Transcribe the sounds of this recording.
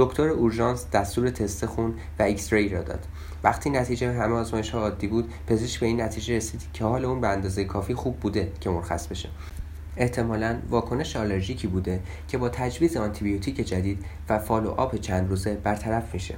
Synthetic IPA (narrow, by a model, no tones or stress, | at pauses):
d̪̥o̞kʰt̪ʰoɾeuɾʒɒnsd̪æst̪uːɾe̞t̪ʰe̞st̪exund̪ | væicst̪ɾɒiɾɒ̰ːd̪ɒ̰ːd̪̥ | væχt̪ʰiːnæt̪ʰiːd͡ʒeɦæmeɒːzmɒːjeʃhɒːɒːd̪ːiːbuːd̪̥pʰe̞zeʃcbe̞iːnːæt̪ʰiːd͡ʒeɾesiːd̪̥cʰehɒːle̞uːnbeænd̪ɒːzejekʰɒːfiːxuːb̚ːuːd̪e̞cʰe̞moɾxæ̰sbe̞ʃe̞̥̰ | e̞ht̪ʰe̞mɒːlænvɒːkʰo̞ne̞ʃeɒle̞ɾʒiːcʰiːbuːd̪e̞ | cʰe̞bɒːt̪ʰæd͡ʒviːzeɒnt̪ʰibijot̪ʰiːcʰe̞d͡ʒæd̪iːd̪væfɒːlo̰ʔɒ̰ːpe̞t͡ʃʰænd̪ɾuːze̞bæɾt̪ʰæɾæfmiʃe̞̰